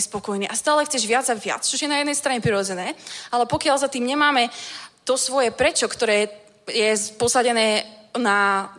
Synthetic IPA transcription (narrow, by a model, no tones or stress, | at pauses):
spɔkɔjniːʔast̪aːlɛxt͡sɛʒʋɪad͡zaʋɪa̰t͡st͡ʃɔʒjɛnajɛd̪nɛjst̪ɾaɲɛpɾiɾɔd͡zɛnɛːalɛpɔkɪalzat̪iːmɲɛmaːmɛt̪ɔsʋɔjɛpɾɛt͡ʃɔkt̪ɔɾɛː | jɛpɔsaɟɛnɛːna